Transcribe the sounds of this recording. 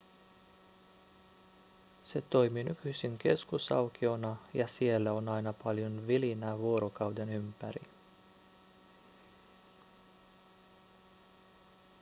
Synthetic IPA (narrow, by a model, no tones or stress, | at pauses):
se̞t̪o̞jminykyjsiŋk̟e̞̰skusɑ̰wk̟io̞nɑjɑsie̞lːæo̞nɑjnɑpɑljonʋilinæʋuo̞ɾo̞kɑwde̞nympæɾḭ